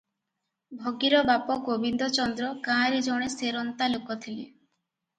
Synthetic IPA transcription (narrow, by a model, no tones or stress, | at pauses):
bʱoɡiɾɔbapɔɡobind̪ɔt͡ʃɔnd̪ɾɔkãɦaɾid͡ʒɔɽ̃eseɾɔnt̪alukɔt̪ʰilḭ